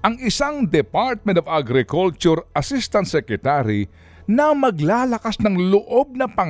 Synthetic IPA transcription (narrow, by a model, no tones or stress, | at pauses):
ʔɐŋɪsaŋd̪ɛpaɾt̪̚mɛ̃nt̪ɔvaɡɾɪkult͡ʃʊɾɐsist̪ɐnsɛkɾɛt̪aɾi | nɐmɐɡlaːlɐkasnɐŋlʊʔob̚nɐpɐŋ